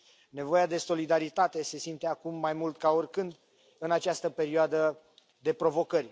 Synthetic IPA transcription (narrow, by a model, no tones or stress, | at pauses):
ne̞vo̞jad̪e̞so̞lid̪aɾit̪at̪e̞se̞simt̪e̞akumːajmult̪kaorʲkɨnd̪ | ɨnat͡ʃast̪əpe̞ɾioad̪ə | d̪e̞pɾo̞vo̞kərʲ